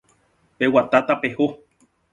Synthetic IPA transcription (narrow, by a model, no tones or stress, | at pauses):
pewat̪at̪apeho